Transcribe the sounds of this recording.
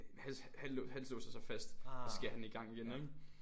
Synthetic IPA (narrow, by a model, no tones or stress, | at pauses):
hænshænlɔhænslɔ̰ːsɑsɑfæsd̥sɡ̥eɐ̰hæniɡ̥ɑ̈ŋ̰iɡ̥eneɡ̥